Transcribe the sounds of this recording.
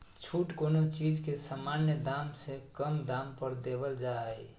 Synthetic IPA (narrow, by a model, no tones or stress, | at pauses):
t͡ʃʰuʈkonot͡ʃid͡ʒkesəmanjəd̪amsekəmd̪ampəɾd̪eβəld͡ʒaj